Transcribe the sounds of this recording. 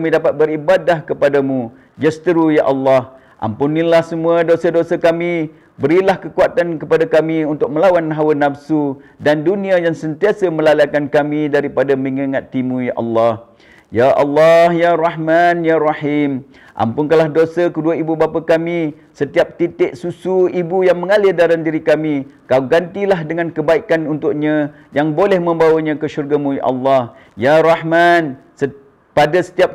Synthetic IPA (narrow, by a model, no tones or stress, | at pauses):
mĩdapat̪̚bəɾibadahkəpadamũ | d͡ʒəst̪əɾujaʔalːɑh | ʔa̰mpunĩlahsəmũadosadosakamĩ | bəɾilahkəkuat̪ankəpadakamiunt̪ʊk̚məlawanɦawənːabsudandunĩajaŋsənt̪iasamə̃lalakankamĩdaɾipadamiŋaŋat̪ːimũjaʔa̰lːɑh | jaʔɑ̰lːɑhjarɑhmanjarɑħim | ʔa̰mpʊŋkalahdosakəduaibubapakamĩ | sət̪iap̚t̪it̪ɪʔsusuibujaŋmə̃ŋalɪdaɾandiɾikamikaɡant̪ilaɦdəŋãnkəbaikanunt̪ʊʔ̚ɲã | jaŋbolɛhmə̃mbawaɲãkəʃurɡamũja̰ʔa̰lːɑh | jarɑhman | sə | padasə̥t̪iap̚